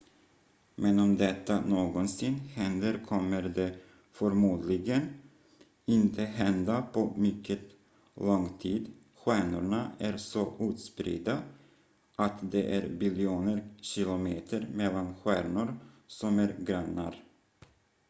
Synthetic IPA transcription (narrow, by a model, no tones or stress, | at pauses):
mɛnɔmd̪ɛt̪ːanoːɡɔnsɪnhɛnd̪əɾkʰɔmːəɾd̪ɛ | fœɾmuːd̪lɪɡən | ɪnt̪ʰəɦɛnd̪apʰɔmʏkʰːət̪ | lɔŋt̪ʰiːd̪ | ɧæːɳʊɳaæɾsɔʔʉ̟ːt̪spɾɪ̰d̪a | ʔat̪d̪ɛʔæɾbɪljuːnəɾɕɪlʊmeːt̪ʰəɾmɛlːanɧæːɳʊɾsɔmæɾɡɾanːa̰ɾ